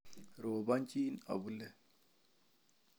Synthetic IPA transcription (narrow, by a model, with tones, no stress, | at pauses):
ɾo˨βa˦nt͡ʃʼi˦na̰˨βu˦lɛ˦˨